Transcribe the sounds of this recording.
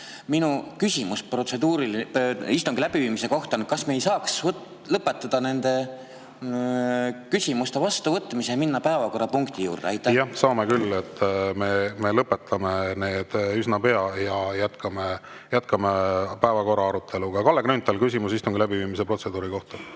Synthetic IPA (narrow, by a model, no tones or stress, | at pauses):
minukysʲimusprot̪se̞d̪̥uːɾilist̪uŋɡ̥ilæb̥iviːmise̞ko̞ht̪ɑnkɑsme̞ːjsɑːks | lɤpːˑe̞t̪ːˑɑd̪̥ɑne̞nd̪̥e̞ | kysʲimust̪e̞vɑst̪uvɤt̪ːˑmisejɑminːɑpæevɑko̞rːɑpuŋkt̪ijṵːrd̪̥eɑjt̪ːˑjɑsɑːmekylːe̞t̪ːme̞me̞lɤpːˑe̞t̪ʰːˑɑmene̞ːd̪̥ysnɑpe̞ɑjɑjæt̪kʰɑme | jæt̪kʰɑmepæevɑko̞ɾɑɑɾut̪ʰːˑe̞luɡ̥ɑkɑlːeɡnynt̪ːˑɑlkysʲimusist̪uŋɡ̥ilæbiviːmis̬epro̞t̪se̞d̪uːɾiko̞ht̪ɑ̥